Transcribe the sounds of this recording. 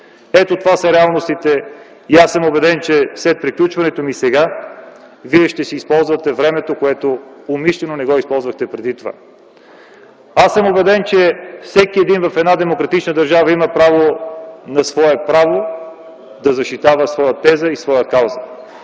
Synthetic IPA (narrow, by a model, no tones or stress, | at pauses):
ɛt̪ot̪ovasəɾɛalˠnost̪it̪ɛ | iasːəmobɛd̪ɛnt͡ʃɛslɛt̪̚pɾiklʲut͡ʃvɐnɛt̪omisɛɡa | viɛʃt̪ɛsiːspɔlˠzvɐt̪ɛvɾɛmɛt̪okoɛt̪oomiʃlɛnonɛɡɔispɔlˠzvɐxt̪ɛpɾɛd̪it̪ova̰ | asəmobɛd̪ɛnt͡ʃɛfsɛkiɛd̪invɐfɛd̪nad̪ɛmokɾɐt̪it͡ʃnəd̪ɐɾʒavəiməpɾavonɐsvɔɛpɾavo | d̪ɐzɐʃt̪it̪avəsvɔjət̪ɛzəisvɔjəkawzə